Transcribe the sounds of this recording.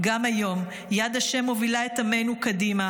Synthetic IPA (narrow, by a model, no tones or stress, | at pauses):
ɡamajo̞m | jad̪aʃe̞mːovilaet̪ame̞nukadima